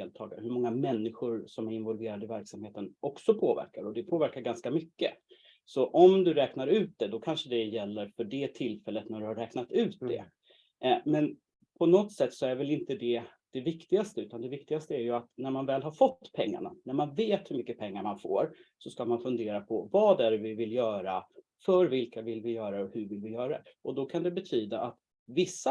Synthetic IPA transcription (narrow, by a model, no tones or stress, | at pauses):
d̪eːlt̪ʰɑːɡa̰ɾəhɵmɔŋːamɛnːɪɧʊɾsɔmæɾɪnvɔlveːɾad̪əɪvæɾksamheːt̪ənʔɔksɔpʰoːvæ̰ɾkaɾɔd̪ɛpʰoːvæɾkaɾɡanskamʏkːə | sɔʔɔmd̪ɵɾɛːknaɾʉ̟ːt̪̚d̪ɛd̪ɔkʰanʂəd̪ɛjɛlːəɾfœɖɛt̪ʰɪlfɛlːət̪næɖɵhaɾɛːknat̪ʉ̟ːt̪̚d̪ɛ̰ | mɛn | pʰɔnɔt̪ːsɛt̪ːsɔæɾvɛlɪnt̪əd̪ɛ | d̪̥ɛvɪkt̪ɪɡast̪əʉ̟ːt̪and̪ɛvɪkt̪ɪɡast̪əæɾjɵat̪næɾmanvɛːlɦaɾfɔt̪ːpʰɛŋːa̰ɳa̰næɾmanveːt̪hɵɾmʏkːəpʰɛŋːaɾmanfo̰ːɾsɔskamanfɵnd̪eːɾapʰɔvɑːd̪æɾvɪvɪljœːɾa | fœɾvɪlkavɪlvɪjœːɾaɔhɵɾvɪlvɪjœːɾaɛʔɔd̪ɔkʰand̪ɛbɛt̪ʰyːd̪aʔat̪ | vɪsːa